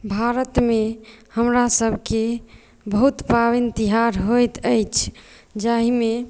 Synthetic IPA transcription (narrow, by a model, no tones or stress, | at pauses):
bʱaɾət̪mehəmɾasəbʱke | bəɦut̪paβint̪iɦaɾɦojt̪əjt͡ʃʰ | d͡ʒaɦime